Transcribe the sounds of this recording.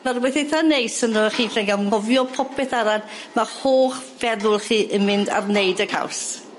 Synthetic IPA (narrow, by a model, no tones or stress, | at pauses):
marwɛθejθanejsənɔəχiːɬɛŋɡaɔvjɔpʰɔpʰɛθaɾanmahoːχvɛðʊlˠχiːʔəmɪnda̰rneɨdəkʰa̰ws